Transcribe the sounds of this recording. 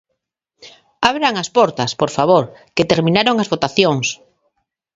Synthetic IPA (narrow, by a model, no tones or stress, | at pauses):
aβɾaŋɐspɔɾt̪ɐspoɾfaβ̞oɾket̪eɾmĩnaɾoŋɐzβot̪aθjoŋs